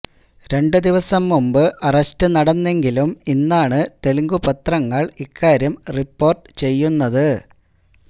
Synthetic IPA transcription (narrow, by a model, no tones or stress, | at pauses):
ɾe̞ɳɖɨd̪iʋɐsɐmːumbɨʔɐrɐstɨnɐɽɐnːe̞ŋɡiluminːaːɳɨt̪e̞lŋɡupɐt̪rɐŋːɐɭikːaːɾjɐmripːo̞ːrʈɨ̥t͡ɕe̞jːunːɐðɨ